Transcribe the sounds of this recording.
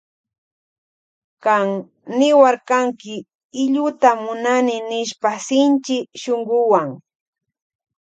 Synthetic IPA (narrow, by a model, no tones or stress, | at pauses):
kaŋ | nɪwaɾkaŋkɪ | ɪʎʊt̪amʊnanɪnɪʃpasɪnt͡ʃɪʃoŋɢʊwaŋ